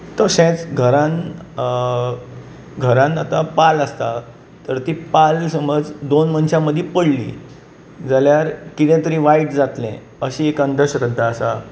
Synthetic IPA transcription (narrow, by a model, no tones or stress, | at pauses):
t̪əsẽt͡sɡʱəɾãn | ɡʱəɾãnat̪apaləst̪a | t̪əɾt̪ipalsəməd͡zd̪onmənɕãməd̪ʱːepəɽlḭː | d͡zaljaɾkit̪ɛ̃t̪əɾĩʋaiʈd͡zat̪lɛ̰̃ | əɕĩekand̪ʱəɕɾə̃nt̪aəsa